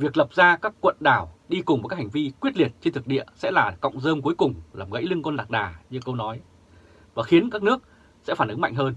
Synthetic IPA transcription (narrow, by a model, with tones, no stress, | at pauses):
vi˨˩ək̚lə˨˩p̚zaː˧kaː˦˥kːwə̰˧˨nɗaː˧˩wɗi˧kʊ˨˩ŋ͡mva˨˩kːa˦˥ha˨˩ŋ̟vi˧kwi˦˥ət̚li˨˩ət̚t͡ɕe˧nt̪ʰk̚ɗḭ˧˨əsɛ̰˧˥laː˨˩kɔ̰˧˨wŋ͡mzəː˧mku˨˦jkʊ˨˩ŋ͡mlaː˨˩mɣə̰˧˥jlɨ˧ŋkɔ˧nlaː˨˩k̚ɗaː˨˩ɲɨ˧kə˧wnɔ˨˦j | vaː˨˩xi˨˦nkaː˦˥k̚nɨ˦˥ək̚ | sɛ̰˧˥faː˧˩nɨ˨˦ŋma˧˨jŋ̟ɦəː˧n